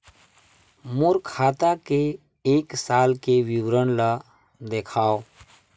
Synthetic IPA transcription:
mʊɾkʰaːt̪akeː | ksaːlkewiwɾənla | d̪eːkʰaːo

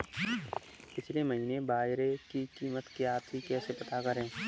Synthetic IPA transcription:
pɪt͡ʃʰleməɦiːnebaːɦɾekikiːmət̪keaːt̪ʰikɛːsepɐt̪akɐɾẽː

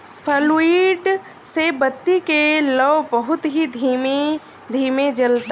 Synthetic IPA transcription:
pʰəliːɖ | sebət̪ːikelɔːbəɦʊt̪ɦid̪ʱime | d̪ʱiːmed͡ʒɐlt̪a

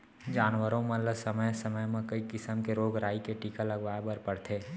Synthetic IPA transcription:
d͡ʒaːnʋəɾõmɐləsɐməjsɐməjmẽkɐikɪsəmkeɾoːɡɾaːikeʈiːkalɐɡʋaːebəɾpɐɽt̪ʰeː

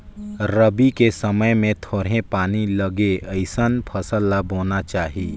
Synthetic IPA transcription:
ɾəbikesəməjmẽt̪ʰoːɽɦẽpaːniləɡeəɪsənpʰəsəlːaboːnat͡ʃaːɦiː

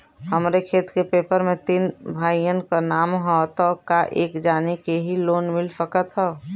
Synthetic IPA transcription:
həmɾekʰeːt̪kepeːpəɾmẽt̪iːnbʱaːijənkanaːmɦɔt̪ɔkaʔeːkd͡ʒaːnikeɦiloːnmɪlsəkət̪ɦɔ

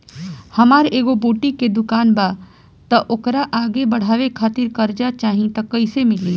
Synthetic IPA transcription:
hɐmaːɾeːɡoboːʈiked̪ʊkaːnbaː | t̪ɐʔʊkɾaʔaːɡebɐɽ̤aːʋekʰaːt̪ɪɾkɐɾd͡ʒat͡ʃaːɦĩt̪ɐkɐɪsemɪliː

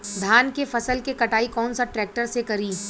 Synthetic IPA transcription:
d̪ʱaːnkefɐsəlkekɐʈaːikɔːnsaʈɾɛːk̚ʈəɾsekɐɾiː

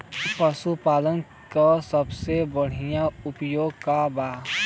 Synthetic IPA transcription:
pəsupaːlən | kasəbsebəɽ̤ijãʊpjoːɡ̚kabaː

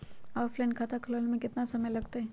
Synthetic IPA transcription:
aːfʰlaɪnkʰaːt̪akʰɐləlmẽkɪt̪nasɐməjlɐɡt̪aɦɛː

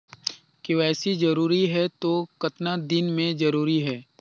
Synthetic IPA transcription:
kiʋɛːsid͡ʒɐɾuːɾiɦɛt̪okɐt̪nad̪ɪnmẽd͡ʒɐɾuːɾiɦɛː

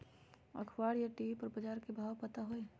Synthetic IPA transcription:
ɐ̰kʰwaːɽjaʈiːpɐɾbɐd͡ʒaːɾkebʱaːwpət̪aɦoe

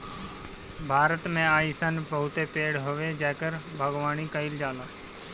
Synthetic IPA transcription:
bʱaːɾət̪mẽːaːiːsənbəɦʊt̪eːpeːɽɦoʋeːd͡ʒɛːkəɾbʱəɡʋaːniːkəɪld͡ʒaːlaː

